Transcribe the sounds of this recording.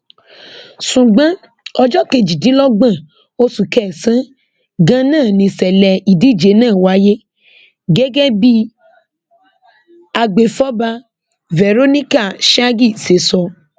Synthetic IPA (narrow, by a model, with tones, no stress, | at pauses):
sũ˨ɡ͡bã˦ | ɔ˧d͡ʒɔ˦ke˧˨d͡ʒi˨dĩ˨˦lɔ˦ɡ͡bã˦˨ | o˦su˨kɛ˦˨sã˦ | ɡã˧˦nãː˦˨nĩ˧sɛ˨lɛ˨i˨di˦˨d͡ʒe˨˦nãː˦˨wa˨˦je˦ | ɡɛ˦ɡɛ˦bi˦ | a˧ɡ͡be˨fɔ˦ba˧ | vɛ˨ɾo˦nĩ˦ka˦˨ʃa˦ɡi˦˨se˨sɔ˧